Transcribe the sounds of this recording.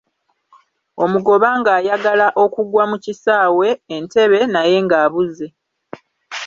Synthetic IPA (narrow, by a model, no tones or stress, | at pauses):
o̞muɡo̞βaŋɡaːjaɡalaʔo̞kuɡwamucisaːwe̞ːnte̞βe̞naje̞ŋɡaːβuze̞